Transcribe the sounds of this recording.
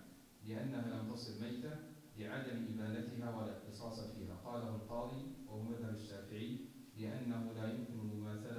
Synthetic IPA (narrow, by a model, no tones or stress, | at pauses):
lɪʔanːahalamt̪ɑsˤɨlmajt̪a | bɪʕad̪amʔɪbaːlat̪ɪɦaːwalɪxt̪ɨsˤɑːsˤfḭːɦa̰ːqɑːlahalqɑːd̪ˤiːwahʊmaðhabaʃːaːfɪʕiː | lɪʔanːahʊlaːjʊmkɪnalmʊmaːθal